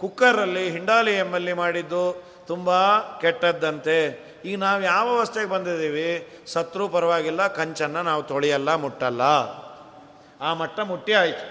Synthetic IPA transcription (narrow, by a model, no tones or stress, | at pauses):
kukːɐɾɐlːiɦiɳɖaːliemːɐlːimaːɽid̪ːu | t̪umbɐkɛʈːɐd̪ːɐnt̪e̞ | iːɡɐnaːʋujaːʋɐʋɐst̪eɡebɐnd̪id̪iːʋi | sɐt̪ɾuːpɐɾɐʋaːɡilːɐkɐɲt͡ʃɐnːɐnaːʋut̪oɭijɐlːɐmuʈːɐlːɐ | aːmɐʈːɐmuʈːiaːjt̪u̥